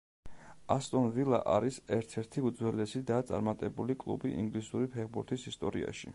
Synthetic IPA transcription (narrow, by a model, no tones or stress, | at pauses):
ast̪ʼɔnvilˠa̰ʔaɾisɛɾt̪ʰɛɾt̪ʰiud̪zwɛlɛsid̪at̪sʼa̰ɾmat̪ʼɛbulikʼlˠṵbiʔḭŋɡlisuɾipʰɛχbuɾt̪ʰisist̪ʼɔɾḭa̰ʃḭ